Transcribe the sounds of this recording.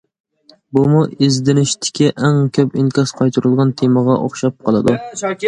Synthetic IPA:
bumuɪzd̪ɪnɪʃt̪ʰɪ̥kʲɪʔæŋkʲʰøpɪŋkʲɑsqʰɑjt̪ʰʊɾɨlˠʁɑnt̪ʰemɑʁɑʔo̰χʃɑp̚qʰɑlˠɨd̪u

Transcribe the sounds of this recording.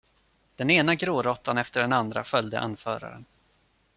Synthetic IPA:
d̪̥ɛneːnaɡɾoːɾɔt̪ːanɛft̪əɖɛnand̪ɾa̰fœld̪ə̰ʔa̰nfœːɾa̰ɾə̰n

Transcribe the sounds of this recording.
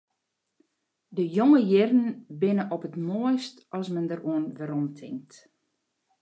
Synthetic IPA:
dəjoŋəjɪrən̩bɪnəʔɔpətmoəjstʔɔsmɛndəruənʋəɾɔmtʰɪŋk̚t

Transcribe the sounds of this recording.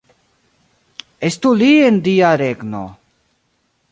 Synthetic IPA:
est̪uliend̪ijaɾeɡno̰

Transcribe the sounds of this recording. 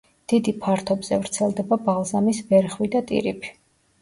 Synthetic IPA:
d̪̥id̪ipʰaɾt̪ʰɔbz̥ɛvɾt̪sʰɛlˠd̪ɛbabalˠzamisbɛɾχwid̪at̪ʼḭɾḭpʰi̥

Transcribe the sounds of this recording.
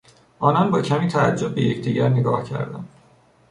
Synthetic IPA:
ʔɒːnɒnbɒːcʰæmiːt̪ʰææd͡ʒːob̚ːe̞je̞̰cʰd̪iːɟæɾneɡɒ̰ːhcʰæ̰ɾd̪æ̰nd̪

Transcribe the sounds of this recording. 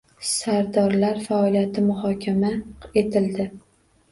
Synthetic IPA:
saɾd̪ɒɾlaɾfaɒlijat̪ʰɪmʊɦɒkʲʰamae̞t̪ʰɪld̪ɪ

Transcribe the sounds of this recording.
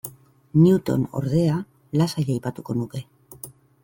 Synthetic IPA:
niut̪o̞̰no̰ɾðe̞a | lasaʎajpat̪uko̞nuke̞

